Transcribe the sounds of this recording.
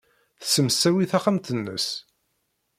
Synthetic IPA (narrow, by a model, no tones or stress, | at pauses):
θə̥səmsːæwiθaχamt̪ənːə̰s